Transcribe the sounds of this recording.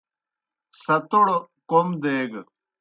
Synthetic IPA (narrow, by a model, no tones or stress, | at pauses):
sɐt̪oɽ | komd̪eːɡ